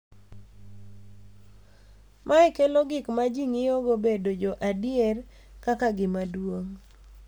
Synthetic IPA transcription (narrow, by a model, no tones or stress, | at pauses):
mʔaɪkelɔɡɪkmad͡ʒiŋɪoɡobedod͡ʒɔʔadɪjɛr | kakaɡɪmadwoŋ